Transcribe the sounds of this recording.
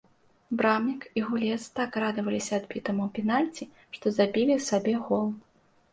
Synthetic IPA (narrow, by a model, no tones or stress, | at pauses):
bɾamnʲikiɣulʲɛst̪akrad̪ɨvɐlʲisʲɐːd̪bʲit̪ɐmwpʲɛnalʲt͡sʲi | ʂt̪ɔzabʲilʲisabʲɛɣɔlˠ